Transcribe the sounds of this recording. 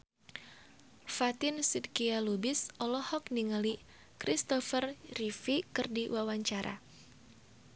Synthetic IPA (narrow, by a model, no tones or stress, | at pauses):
fat̪ɪnsidkialubɪsɔlɔhɔk̚niŋali | kɾist̪ɔfərrifikɨrdiwawaɲt͡ʃaɾʔa̰